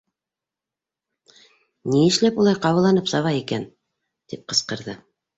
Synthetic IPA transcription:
niɘ̆ʃlæpulˠɑjqɑwɤlˠːɑnɤpsɑβɑjikæn | t̪ip̚qɤ̆sqɤ̆ɾðɤ

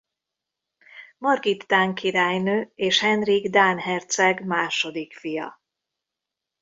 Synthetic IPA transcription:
mɒrɡit̪ːaːŋkiɾaːjnøːeːʃhɛnriɡd̪aːnhɛrt̪sɛɡmaːʃo̞d̪ikfijɒ̰

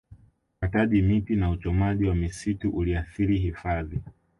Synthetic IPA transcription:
ataʄimitinaut͡ʃɔmaʄiwamisituʔuliaθiɾiɦifaði

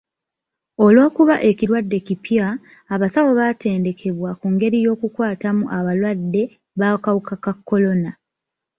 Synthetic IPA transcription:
o̞lwo̞ːkuβaʔe̞ciɾwadːe̞cipjaː | βasawo̞βate̞ːnde̞kʰe̞βwakuŋɡe̞ɾijo̞ːkukwaːtamuʔaβalwadːe̞ | βakawukakakːo̞lo̞na

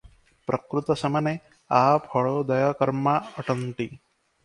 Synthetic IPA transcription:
pɾʔɐkɾut̪ɔsɐmɐne | apʰɔɭod̪ɐjɐkɐɾmaɐʈɐnʈ̪i

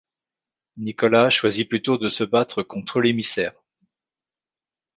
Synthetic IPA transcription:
nikɔlaʃwaziplyt̪od̪əsəbat̪χəkɔ̃t̪χəlemisɛːʁ

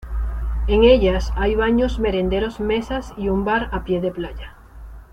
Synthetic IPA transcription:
e̞ŋe̞ʎasajβaɲozme̞ɾe̞nd̪e̞ɾo̞zme̞sasiumbaɾapje̞ð̞e̞plaʎa

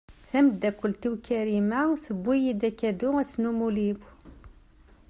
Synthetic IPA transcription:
θæməd̪ːækʷːəlt̪iwkæɾimæθəbʷːijid̪ækːæd̪uæsnumulib

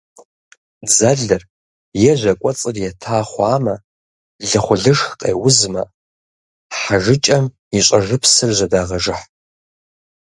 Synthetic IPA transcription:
d͡zɐɮɐr | jɛʒʷɐkʷʼɔt͡sʼɨrjɛtʰaːχʷaːmɐ | ɮɨχʷʊɮɨʂxqʼḛːwʊzmɐ | ħaʐɨt͡ʃʼɐm | iɕʷʼɐʐɨpʰsɨrʑʷɐdaːʁɐʒɨħ

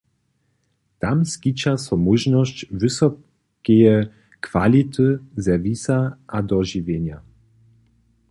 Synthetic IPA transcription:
t̪amskit͡ɕasɔmuʒnɔɕt͡ɕvɨsɔ | kʲejɛ | kvalʲit̪ɨzɛvʲisaʔad̪ɔʒivʲjeɲa

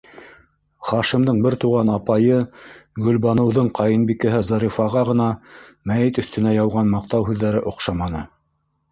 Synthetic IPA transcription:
χɑʃimd̪ɤɴbɘɾt̪uʁɑnɑpɑjɤɡɵ̆lbɑnɤ̆wðɤɴqʰɑjɤnbikɘ̆ɦɘzɑɾifɑʁɑʁɤ̆n̪ɑmæjit̪ɵ̆θt̪ɵ̆næjɑwʁɑnmɑq̚t̪ɑwɦʉðːæɾɘʔŏqʃɑmɑnɤ̰

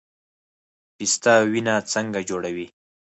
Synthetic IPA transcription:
pist̪awinat͡səŋɡad͡ʒoɽawi

